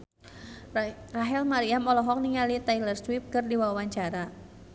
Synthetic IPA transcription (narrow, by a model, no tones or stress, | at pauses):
raɦɛlmaɾiamɔlɔɦɔk̚niŋalit̪ajlərswip̚kɨrdiwawaɲt͡ʃaɾa